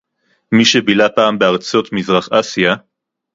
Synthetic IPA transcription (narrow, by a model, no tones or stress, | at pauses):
miʃebilapaːmbeaʁt͡so̞t̪mizʁaχasija